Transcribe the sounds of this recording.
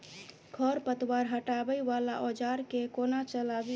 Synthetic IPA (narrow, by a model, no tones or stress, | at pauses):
ɡʱɔɾpət̪waɾɦəʈabəjʋala̰ʔod͡ʒaɾkekonat͡ʃəlabi